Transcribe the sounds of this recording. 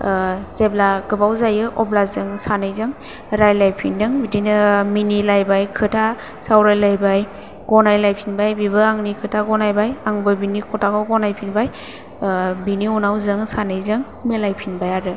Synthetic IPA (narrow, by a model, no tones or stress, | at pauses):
zeblaɡɯbawzajɯʔɔblazɯŋsanɯjzɯŋ | ɾajlajpʰindɯŋbidinɯminilajbajkʰɯtʰa | sawɾajlajbaj | ɡ̥ɔnajlajpʰinbajbiβɯaŋnikʰɯtʰaɡɔnajbajaŋbɯbinikʰɔtʰakɔɡɔnajpʰinbaj | biniunawzɯŋsanɯjzɯŋ | melajpʰinbajaɾɯ